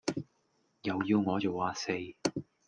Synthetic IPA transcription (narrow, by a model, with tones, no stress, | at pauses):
jɐ˨wjiː˧wŋɔː˨˧t͡so˨waː˧se˧j